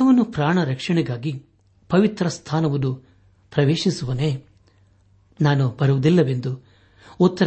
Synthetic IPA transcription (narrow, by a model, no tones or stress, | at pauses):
ɐʋɐnːupɾaːɳɐɾɐkʂɐɳɛɡaːɡi | pɐʋit̪ɾɐst̪ʰaːnɐʋɐnːu | pɾɐʋeːʃisuʋɐneː | naːnubɐɾuʋud̪ilːɐʋe̞nd̪u | ɔt̪ːɐɾ